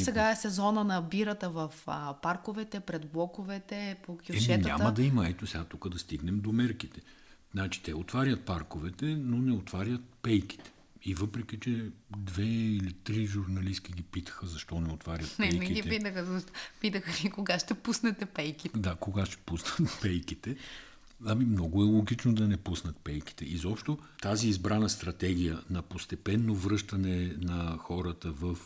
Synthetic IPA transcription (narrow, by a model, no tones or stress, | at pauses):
sɛɡaɛsɛzɔnənɐbiɾət̪əvɐfəpaɾkʊvɛt̪ɛpɾɛd̪blˠɔkovɛt̪ɛpokʲjʊɛʃɛɲəaamɐəd̪ɐimɐɛt̪osɛɡat̪ukəd̪ɐst̪iɡnɛmd̪omɛɾkit̪ɛ̥ | znat͡ʃi̥t̪ɛot̪vaɾʲjɐt̪̚paɾkovɛt̪ɛnonɛot̪vaɾʲjət̪̚pɛjki̥t̪ɛ̥ | ivɤpɾɛkʲit͡ʃɛd̪vɛilit̪ɾiʒuɾnɐliskʲiɡʲipit̪ə̥xəzɐʃt̪ɔnɛot̪vaɾjɐt̪nɛɛnɛiɡʲiɛpit̪əxəzoʃt̪pit̪əxəlikoɡaʃt̪ɛpusnɛt̪ɛpɛjkit̪d̪akoɡaʃt̪ɛ̥pusnət̪pɛjkit̪ɛ | ɐmimnɔɡʊɛlˠoɡit͡ʃnod̪ɐnɛpusnət̪̚pɛjki̥t̪ɛʔizɔpʃt̪ot̪aziːzbɾanəst̪ɾɐt̪ɛɡ̟ʲijənɐpost̪ɛpɛnːovɾɤʃt̪ɐnɛnɐxɔɾət̪əvəf